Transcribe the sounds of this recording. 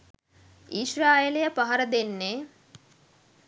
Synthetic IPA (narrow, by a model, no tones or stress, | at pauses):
iʃraːjelejəpaɦɐɾəd̪enːeː